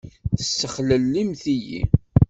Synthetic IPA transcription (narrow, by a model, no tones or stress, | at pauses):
θə̥sːəχləlːimθijḭ